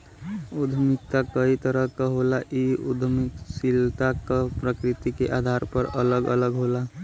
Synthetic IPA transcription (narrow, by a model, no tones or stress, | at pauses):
ud̪ʱmik̚t̪akəit̪əɾəɦkəɦolaʔiud̪ʱmiksilt̪akəpɾəkɾit̪ikeʔad̪ʱaɾpəɾələɡə̰ləɡɦola